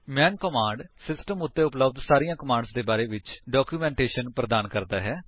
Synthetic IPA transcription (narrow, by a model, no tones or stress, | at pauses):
mɛ̃ːnkəmãːɳɖsɪsʈəmʊt̪ːeːʊpləbd̪saːɾijãːkəmãːɳɖsd̪eːbaːɾeːʋɪt͡ʃɖaːkjuːmɛ̃ːɳʈeːʃənpɾəd̪aːnkəɾd̪aːɦɛː